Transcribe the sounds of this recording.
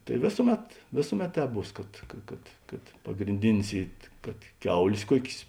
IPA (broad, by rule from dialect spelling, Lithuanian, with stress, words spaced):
tɐɪ ˈʋʲeːsʊˌmʲɛt ˈʋʲeːsʊˌmʲɛt ˈtʲɛːp ˈbuːs kɐt ˈkɐ kɐt kɐt pɐɡrʲɪnʲˈdʲɪnʲɪs ˈiː kɐt ˈkʲɛʊlʲeːs ˈkuɔkʲeːs